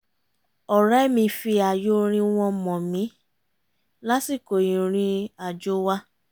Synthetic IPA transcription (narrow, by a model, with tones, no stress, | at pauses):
ɔ˨ɾɛ˦mĩ˧fi˧a˨jo˦ɾ̃ĩ˧w̃ɔ̃˧mɔ̃˨mĩ˨˦ | la˦si˦˨ko˨ĩ˨ɾ̃ĩ˦a˨d͡ʒo˦wa˦